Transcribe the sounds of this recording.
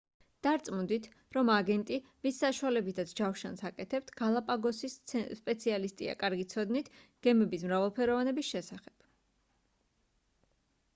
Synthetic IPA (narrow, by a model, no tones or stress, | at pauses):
d̪̥aɾt̪sʼmund̪it̪ʰ | ɾɔmaɡɛnt̪ʼivisːaʃualɛbit̪ʰat̪sʰd͡ʒafʃansakʼɛt̪ʰɛp̚t̪ʰɡ̥alˠapʼaɡɔsisspʼɛt̪sʰialist̪ʼḭa̰kʼaɾɡit̪sʰɔd̪nit̪ʰɡ̥ɛmɛbismɾavɛlˠpʰɛɾɔvanɛbisʃɛsaχɛb̥